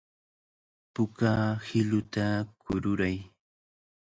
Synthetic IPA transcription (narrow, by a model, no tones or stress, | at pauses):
pʊkahɪlʊt̪akʊɾʊɾaj